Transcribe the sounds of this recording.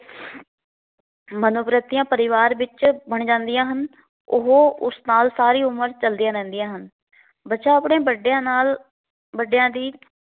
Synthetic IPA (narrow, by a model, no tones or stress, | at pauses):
mənoːpɾət̪ːijãːpəɾɪʋaːɾʋɪt͡ʃbəɳd͡ʒãːnd̪ɪjãːɦən | ʊ̰ɦoːʊsnaːlsaːɾiːʊməɾt͡ʃəld̪ijãːɾɛ̃ːnd̪ijãːɦən | bətːʃaːəpɽẽːbəɖjãːnaːl | bəɖjãːd̪iː